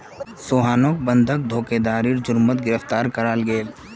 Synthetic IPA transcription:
soːɦaːnok̚bə̃nd̪ʱək̚d̪ʱoːked̪aːɾiɾd͡ʒʊɾmət̪ɡɪɾəft̪aːɾkɐɾaːlɡeːl

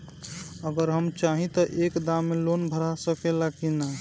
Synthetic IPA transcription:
əɡəɾɦəmt͡ʃaɦĩt̪əʔekd̪amːelonbʱəɾasəkelakina

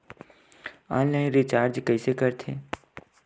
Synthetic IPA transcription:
ã̰ːnlãːnɾɪt͡ʃaːɾd͡ʒkəisekəɾt̪ʰeː

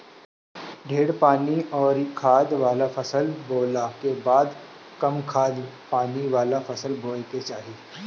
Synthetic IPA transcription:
ɖʱeːɽpaːniɔːɾkʰaːd̪ʋaːlapʰɐsəlboːlakebaːd̪ | kɐmkʰaːd̪paːniʋaːlafʰɐsəlboːlket͡ʃaːɦie

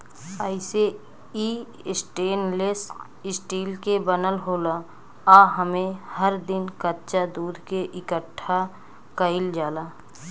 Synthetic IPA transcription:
aːɪse | iː | sʈeːnles | ɪsʈiːlkebənəlɦoːla | aːɦəmẽhəɾd̪ɪnkətːt͡ʃad̪uːd̪ʱkeʔɪkəʈʰːa | kəɪld͡ʒaːlaː

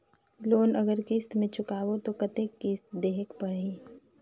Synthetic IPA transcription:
loːnəɡəɾkist̪mẽt͡ʃʊkaːwot̪okɐt̪ekːiːst̪d̪eːɦekpəɽeː

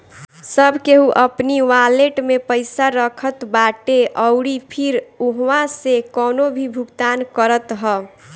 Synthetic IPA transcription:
səbʱkeɦuʔəpniʋaleʈmepəɪsaɾəkʰət̪baʈeʔəʊɽipʰiɾuɦwãsekɔːnobʱibʱuɡt̪ankəɾət̪ɦə

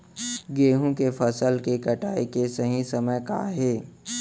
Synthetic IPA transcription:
ɡeːɦũkefʰɐsəlkekɐʈaːikesɐɦĩsɐməjka̰ːɦeː

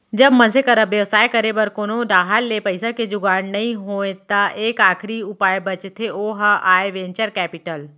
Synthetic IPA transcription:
d͡ʒɐbmɐnsekɐɾəbjɐʋsaːjkəɾebɐɾkoːnod̪aːɦalːepəɪsaked͡ʒʊɡaːɽnɐɦĩɦoːẽt̪aʔeːkaːkʰɾiʊpaːjbɐt͡ʃt̪ʰːeoːɦaʔaːeʋẽːɲt͡ʃəɾkɛːpɪʈəl

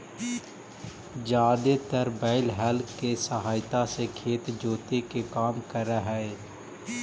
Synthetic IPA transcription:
d͡ʒaːd̪et̪əɾbɛːɪlɦɛlkkːesəɦaːɪt̪asekʰeːt̪d͡ʒoːt̪ekekaːmkəɾaɦɛ

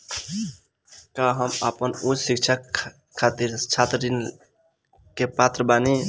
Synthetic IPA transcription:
kaɦəməpənud͡ʒsik̚t͡ʃʰa | kʰːat̪iɾt͡ʃʰat̪ɾədin | kepat̪ɾəbani

